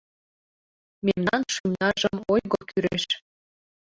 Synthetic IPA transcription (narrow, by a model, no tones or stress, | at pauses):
memnɑnʃymnɑʒəmojɣokyɾeʃ